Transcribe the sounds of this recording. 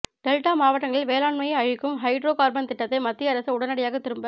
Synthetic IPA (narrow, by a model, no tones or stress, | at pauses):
ɖ̥ɛlʈaːmaːʋɐʈːɐŋɡɐɭɪlʋeːlaːɳmɐjɐɐɻɪkːɯmɦɐɪɖɾoːkaːɾbɐnt̪ɪʈːɐt̪ːɐɪmɐt̪ːɪjɐɾɐsɐʊɽɐnɐɽɪjaːɣɐt̪ːɪɾɯmbɐ